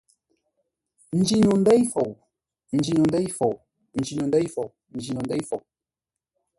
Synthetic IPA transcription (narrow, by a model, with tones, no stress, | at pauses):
n̩˨˦d͡ʒi˦ɲu˨n̩˦dɛ˦i˦fo˨w | n̩˨d͡ʒi˨nɔ˨n˦dɛ˦jfo˨w | n̩˨d͡ʒi˨nu˨ndɛ˦jfo˨w | n̩˨d͡ʒi˨nɔ˨ndɛ˦jfo˨w